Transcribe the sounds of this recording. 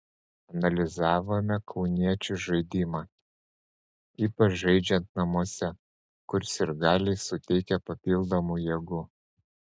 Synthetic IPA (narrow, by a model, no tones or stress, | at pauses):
ɐnɐlʲɪzɑːʋoːmʲɛkʰɒʊnʲiɛt͡ʃʲʊʒɐɪd̪ʲiːmɑː | iːpɐt͡ʃʒɐɪd͡ʒʲɛnt̪nɐmuɔsʲɛ | kʊɾsɪɾɡɑːlʲeɪsʊt̪ʲɛɪkʲɛpɐpʲiːlˠd̪omujiɛɡʊ